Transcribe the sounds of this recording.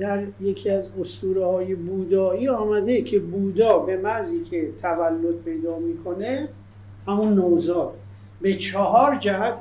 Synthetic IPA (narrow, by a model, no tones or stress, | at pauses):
d̪æɾjecʰiæzost̪uːɾhɒːjebuːd̪ɒːiːɒːmæd̪ecʰe̞buːd̪ɒːbe̞mæziːcʰe̞t̪ʰævælːo̞t̪̚pʰe̞jd̪ɒːmiːkʰo̞ne | hæmunːozɒːt̪ | be̞t͡ʃʰɒɦɒːɾd͡ʒæhæt̪ʰ